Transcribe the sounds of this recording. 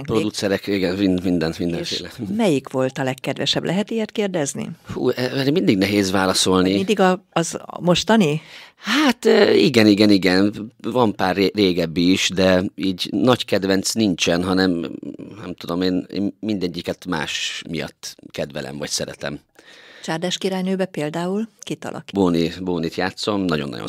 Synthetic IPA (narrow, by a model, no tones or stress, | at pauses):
prod̪ut̪sɛɾɛkiɡɛninmind̪ɛnmind̪ɛnfḛːlɛmɛjikʋo̞lt̪ɒlɛkːɛd̪ʋɛʃɛblɛɦɛt̪ijɛrt̪̚keːrd̪ɛznḭhṵːɛɾɛmind̪iɡnɛɦeːzʋaːlɒso̞lniind̪iɡɒɒz̰mo̞ʃt̪ɒnihaːt̪øiɡɛniɡɛniɡɛnvɒmpaːreːeːɡɛbːiːʃd̪ɛiːɟnɒckɛd̪vɛnt̪snint͡ʃɛnɦɒnɛmnɛ̰mt̪ud̪o̞meːnḛːmmːind̪ɛɟːikɛt̪ma̰ːʃmijɒ̰t̪ːkɛd̪vɛ̰lɛ̰mvɒcsɛɾɛt̪ɛ̰mt͡ʃaːrd̪aːʃkiɾaːjnøːbɛpeːld̪aːulkit̪ɒ̰lʔɒ̰kboːniboːnit̪jaːt̪so̞mnɒɟo̞nːɒ̰jo̰